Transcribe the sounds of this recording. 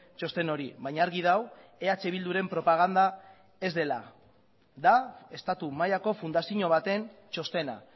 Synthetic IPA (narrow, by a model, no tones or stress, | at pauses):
t͡ʃo̞st̪e̞no̞ɾḭβajɲaːɾɣið̞aw | e̞at͡ʃe̞β̞ild̪uɾe̞mpɾo̞paɣ̞and̪a | e̞zd̪e̞la | ðae̞st̪at̪umajako̞fund̪asiɲo̞β̞at̪e̞nt͡ʃo̞st̪e̞na̰